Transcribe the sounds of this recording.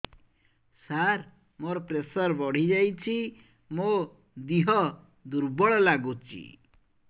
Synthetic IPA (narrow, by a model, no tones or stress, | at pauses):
saɾ | moɾɔpɾesɔɾbɔɽ̤id͡ʒajt͡ʃʰi | mo | d̪iɦɔ | d̪uɾbɔɭɔlaɡut͡ʃʰḭ